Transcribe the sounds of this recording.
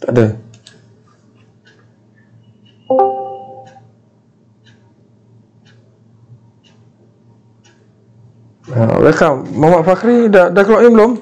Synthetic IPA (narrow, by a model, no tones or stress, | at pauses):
t̪aʔdə | a̰ɾekamamaʔfakɾidadaklɔʔɲibəlom